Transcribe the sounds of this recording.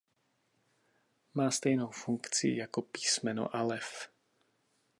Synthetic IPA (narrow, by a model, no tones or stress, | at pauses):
maːst̪ɛjnowfuŋkt͡sḭḭjakɔpiːsmɛnɔ̰ʔalɛf